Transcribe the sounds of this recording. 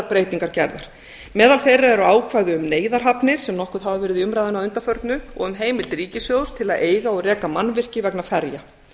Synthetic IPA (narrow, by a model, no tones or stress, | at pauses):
ɾpɾeːjt̪iŋkaɾcɛɾðaɾ̥ | mɛːðalθejrːaɛɾʏaːwkʰvaːjðʏʏmneːjðaɾɦapnɪɾ̥sɛmnɔhkʏðɦavavɛːɾɪðʏmɾajðʏnawʏnt̪afœɾt̪nʏɔ̰ɣʏmɦeːjmɪlt̪riːcɪsjowst̪ʰɪlaðʔeːjɣaɔɣrɛːkamanːvɪr̥cɪvɛknafɛɾja